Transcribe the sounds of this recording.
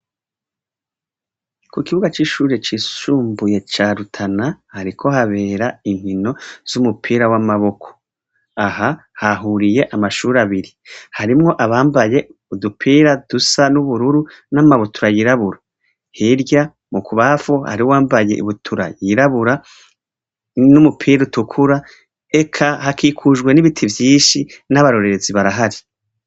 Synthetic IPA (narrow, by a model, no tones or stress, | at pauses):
kukiβuɡat͡ʃiːʃuːɾet͡ʃisuːmbuje̞t͡ʃaːɾutʰana | haɾikʰo̞haβe̞ːɾaiŋ̥hino̞z̥umupʰiːɾawamaβo̞kʰo̥ | aha | haɦuɾije̞ʔamaʃuːɾaβiɾihaɾimŋo̞ʔaβaːmbaje̞ | udupʰiːɾad̥usanuβuɾuɾu | namaβotʰuɾajiɾaβuɾa | hiɾja | mukuβafoha̰ɾiwaːmbaje̞̰ʔiβutʰuɾa̰jiɾaβuɾa | numupʰiːɾutukʰuɾa | ekʰahakiːkʰuʒɡwe̞niβitʰivjiːʃinaβaɾo̞ɾe̞ɾeziβaɾaɦaɾi